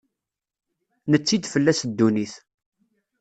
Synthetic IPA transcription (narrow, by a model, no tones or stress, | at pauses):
nət͡sːid̪fəlːæsd̪ːuniθ